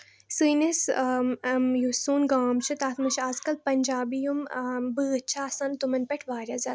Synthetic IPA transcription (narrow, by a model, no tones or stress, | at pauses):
sɨnis | mjusuːnɡaːmt͡ʃʰɨt̪aːt̪ʰmɨt͡ʃʰaːzkɐlpɐnʲd͡ʒaːbijumbɨːtːt͡ʃʰaːsant̪umɐnpɛʈʰʋaːɾʲjaza